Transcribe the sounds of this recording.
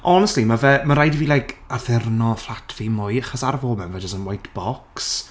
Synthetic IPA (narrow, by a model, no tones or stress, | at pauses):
ɔnɛstlimavɛmaɾajdiviːlajkʰaθɪrnɔflˠatʰvimʊjaχɔsaɾvoːlˠmɛnvɛd͡ʒəsənwajtb̥ɔks